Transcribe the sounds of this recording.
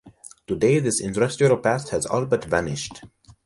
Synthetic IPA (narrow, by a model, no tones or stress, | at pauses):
tudeɪðɪsɪ̃ntɹɛstjuɾopæsthæzɔ̰lbətvænɪʃt